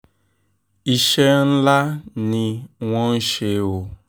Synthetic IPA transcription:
i˨ʃe˦n̩˦la˦ni˨ŋʷɔ˦n̩˦ʃe˨˦wo˨

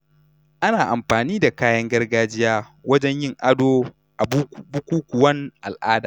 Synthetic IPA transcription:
ʔa˦naː˨ʔa˨mɸaː˨niː˦da˨kaː˦jɐ˦ŋɡɐ˦rɡaː˦d͡ʒɪ˦jaː˦wɐ˦d͡ʒɛ˦ɲjɪ˦˨ŋʔa˦doː˦ | ʔa˨bbʊ˦kʷuː˦kʷʊ˨wɐ˦ŋʔa̰˨lʔaː˦daː˨

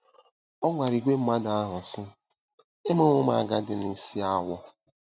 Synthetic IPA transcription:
ɔ˦ŋʷa˨ɾi˨ɡʷe˦m̩˦ma˦da˨a˦ɦʊ˨sɪ˦ | ɪ˦mʊ˦ŋʷʊ˦ma̰˨ɡa˦dɪ˨ni˨si˦a˦wɔ˦

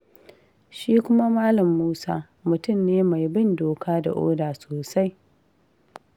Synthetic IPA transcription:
ʃiː˦kʷʊ˦ma˦maː˦lɐ˨mːuː˦saː˦ | mʊ˨tʊ˦˨mneː˦ma˨jbɪ˦ndoː˨kaː˦da̰˨ʔo̰ː˦daː˨soː˨sa˦j

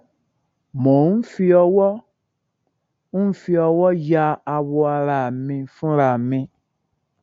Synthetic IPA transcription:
mɔ̃˨u˦fi˦ɔ˧wɔ˦ | u˦fi˦ɔ˨wɔ˦ja˧a˨wɔ˨a˨ɾa˨mẽ˨fũ˦ɾa˨mẽ˨

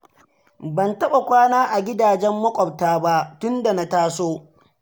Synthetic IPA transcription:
bɐ˨ntɐ˦ɓa˨kʷaː˦naː˦ʔa˨ɡʲɪ˦daː˨d͡ʒɛ˦mːɐ˦kʷʼɔ˨b̚taː˦ba˦ʔtʊ˦nda˨na˦taː˦soː˦

